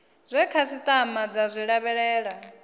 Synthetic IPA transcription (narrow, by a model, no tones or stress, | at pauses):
zʷɛkʰasit̪ʼamad͡zazʷiɺaβɛɺɛːɺa